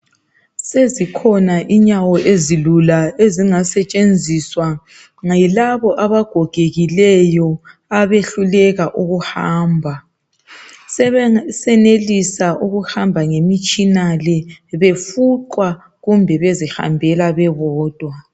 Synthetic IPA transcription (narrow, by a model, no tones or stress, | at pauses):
sezikʰɔnaʔiɲawɔʔezilulaeziŋasɛt͡ʃʼend͡zʱiswa | ŋailaβɔʔaβaɡ̥ʱɔɡ̥ʱeɣilɛjɔ | aβeɬulɛɣaʔuɣuhaːmbʱa | sɛnelisaʔuɣuhambʱaŋemit͡ʃʼinalɛβefuǃwa | ɣumbʱɛβeziha̰mbʱɛlaβɛβɔːd̥ʱwa